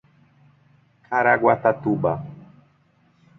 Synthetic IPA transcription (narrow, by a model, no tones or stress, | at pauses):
kʰaɾaɡwat̪at̪uɓa